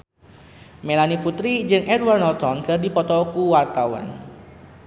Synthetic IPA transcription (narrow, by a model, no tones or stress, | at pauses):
melaniput̪ɾid͡ʒɨŋʔɛdwarnɔt̪ɔnkərdipɔt̪ɔkuwart̪awa̰n